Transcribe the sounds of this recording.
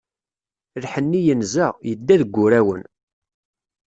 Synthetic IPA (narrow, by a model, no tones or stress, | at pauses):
lħənːijənzəjəd̪ːæðəɡʷːʊɾæwə̰n